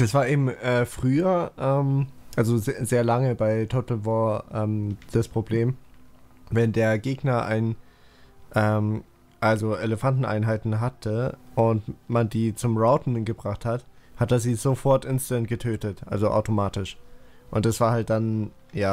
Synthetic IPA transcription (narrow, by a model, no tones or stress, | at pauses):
d̥asv̥aːɐʔeːbm̩ʔɛːfʁ̥yːɐʔɛːmʔalzozzeːɐlaŋəbaɪtʰotl̩vɔːʔɛːmd̥aspʁ̥obleːm | vɛndeːɐɡeːɡnɐʔa̰ɪn | ʔɛːm | ʔalzoʔeləfantn̩ʔa̰ɪnɦaɪtn̩ɦatʰəʔʊntmandiːt͡sʊmʁaʊtn̩ɡəbʁaχthathatd̥aziːzofɔɐtʔɪnstɛnt̚ɡ̥ətʰøːtətʔa̰lzoʔa̰ʊtomaːtɪʃʔʊntd̥asv̥aːɐhalt̚d̥an | jaː